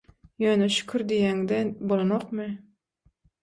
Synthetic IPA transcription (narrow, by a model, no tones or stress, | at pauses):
jøːneʃy̥kʲʰyɾd̪ijæŋd̪ebolˠonoqmɨ